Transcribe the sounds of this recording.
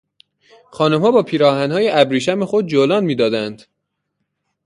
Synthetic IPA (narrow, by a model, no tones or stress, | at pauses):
xɒːnumhɒːbɒːpʰiːɾɒːhænhɒːjeʔæbɾiːʃæmexod̪̚d͡ʒolɒːnmiːd̪ɒːd̪ænd̪̥